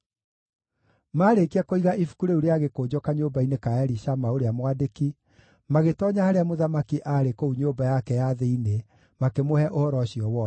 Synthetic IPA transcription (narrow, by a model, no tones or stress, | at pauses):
maɾekiakoiɣaʔifu̥kuɾeuɾeaɣekod͡ʑɔkaɲoːbainekaɛɾiʃamaoɾeamwadeki | maɣetɔɲahaɾeamoðamakiʔaɾekouɲoːbajakɛjaðeine | makemohɛʔohɔɾɔɕiɔwɔ